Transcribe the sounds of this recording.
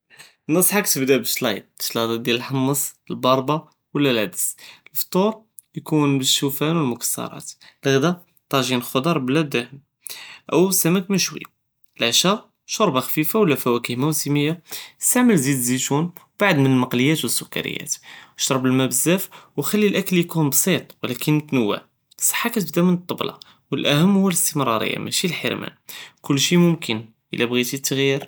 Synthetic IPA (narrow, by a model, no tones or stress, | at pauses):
nːəsˤħakt̪əbd̪æbəʃlɑjd̪̚ʃlɑd̪ˤɑd̪jæləlħɑmːəsˤəlbɑɾˤbɑ | wəlːælʕad̪əsəlft̪ˤuɾˤ | jkunbəʃːufænwəlmʊkə̥sːɑ̰ɾˤɑ̰t̪lɣd̪æ | t̪ˤːɑʒinxod̪ɑɾˤblːæd̪ːæhəm | ʔəwsæməkmənʃwə̰jːa | lʕʃæ | ʃoɾˤbɑxfifawəlːæfæwækihmæwsəməjːast̪aʕməlzid̪zit̪unb̥aʕd̪mənəlmɑqləjːæt̪wəsːʊkːa̰ɾə̰jːæ̰t̪ʃɾˤɑbəlmæbəzːæfwxælːilʔækəlijkunbsˤit̪ˤwəlækʰənt̪nəwːə̰ʕ | sˤɑ̥ħːakæt̪əbd̪æmənt̪ˤːəblʔɑ̰ | wəlʔæhəmːhʊwːæləst̪əmɾˤɑ̰ɾə̰jːa̰mʔæ̰ʃilħə̰ɾmæ̰nkʊlːʃimʊmkʰən | ʔə̰læbɣit̪it̪ːəɣjiɾ